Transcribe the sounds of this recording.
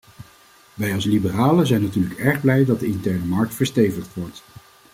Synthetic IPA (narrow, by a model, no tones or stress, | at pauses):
ʋɛjɑlˠslibəraːləzɛjnatyːɹləkɛɹχblɛjdɑt̚dəɪntɛɹnəmɑɹk̚tfəɹstejvəχtʋɔɹt